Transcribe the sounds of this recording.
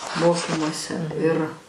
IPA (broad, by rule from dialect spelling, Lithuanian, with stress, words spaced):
ˈmoːkʲiːmuɔsʲɛ ɪr